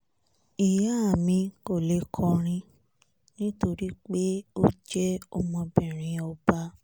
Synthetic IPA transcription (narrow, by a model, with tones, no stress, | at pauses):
i˨ja˦a˦˨mĩ˧ko˦˨le˨˦kʰɔ˧ɾ̃ĩ˧ | nĩ˦to˧ɾi˦k͡pe˦o˦d͡ʒɛ˦ɔ˧mɔ̃˧bɛ˦˨ɾ̃ĩ˧˦ɔ˧ba˧˦